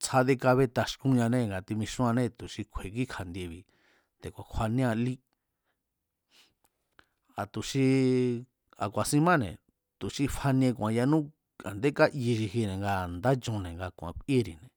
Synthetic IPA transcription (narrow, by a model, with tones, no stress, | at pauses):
t͡sʰa˧ðe˧ka˧βe˦˧t̪a˧ʃkũ˧ɲã˧nẽ˦˨ŋɡa˧t̪i˧mĩ˧ʃũ˦ã˧nẽ˦t̪u˨ʃi˧kʷʰe˨ki˦kʰa˨nd̪ʲe˧βi˨ | t̪e˨kʷa˨kʷʰwa˧nĩ˦ã˧li˦ | a˨t̪u˨ʃi˧ | a̰˨kʷa˨sĩ˧mã˦nḛ̃˨ | t̪u˨ʃi˧fʰa˧nĩ˧ẽ˧kʷã˧ja˧nũ˦ | a̰˨nd̪e˦ka˦ʔji˧ʃi˧ɦi˧nẽ˨ŋɡa˧˨nd̪a˦t͡ʃũ˧nẽ˨ŋɡa˧kʷã̰˧kʷʔe˦ɾi˨nẽ˨